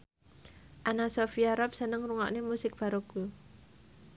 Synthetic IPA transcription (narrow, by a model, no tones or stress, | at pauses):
ʔanasofiaɾap̚sənəŋruŋa̰ʔnemusɪk̚b̥a̤ɾoɡ̥u